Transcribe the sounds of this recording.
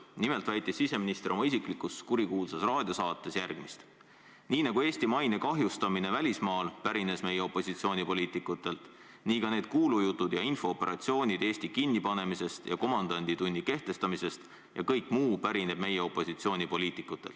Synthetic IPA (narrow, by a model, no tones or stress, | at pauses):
nimelt̪væjt̪ːˑisːise̞minist̪eɾo̞mɑisiklikuskuɾikuːlsesrɑːd̪̥ʲiɑsɑːt̪ːe̞sjærɡ̥mist̪ | niːnɑɡ̥ue̞ːsʲt̪imɑjne̞kɑɦjust̪ɑmine̞vælʲismɑːlpæɾine̞sme̞jeo̞pːˑo̞sit̪sio̞ːnʲipo̞liːt̪ˑikˑut̪ːe̞lt̪ | niːkɑne̞ːd̪̥kuːlujut̪ːˑud̪̥jɑinfo̞ːpːe̞ɾʔɑ̰t̪sio̞ːnʲid̪e̞ːsʲt̪ikinʲːipɑne̞mise̞st̪jɑ̰ko̞mɑnd̪̥ɑnʲd̪̥it̪unʲːike̞ht̪e̞st̪ɑmise̞st̪ | jɑ̰kɤjkmuːpæɾine̞b̥̚me̞jeo̞pːˑo̞sit̪sio̞ːnʲipo̞lʲiːt̪ˑikːˑut̪ːˑe̞lt̪ː